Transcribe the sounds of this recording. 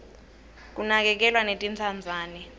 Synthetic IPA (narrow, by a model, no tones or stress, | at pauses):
k̬ʼunak̬ɛk̬ɛlwanetʼint͡sʰand͡zʱaːnɛ